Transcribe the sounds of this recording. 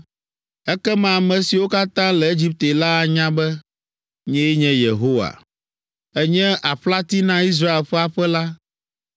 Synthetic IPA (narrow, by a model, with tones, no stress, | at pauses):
ɛ˦kɛ˦mã˦˨mɛ̃˨si˨wo˦ka˦t̪ã˦lɛ˨e˦d͡ʑi˦p̚t̪e˨la˦˨ɲã˦bɛ˦ | ɲɛ̃˦jɛ˦ɲɛ̃˦je˨ɦo˦wa̰˨ | ɛ˦ɲɛ̃˦ʔa˨ɸla˦t̪i˦nã˦i˦s̬ɾa˦e˨lɸɛ˦a˨ɸɛ˦la˦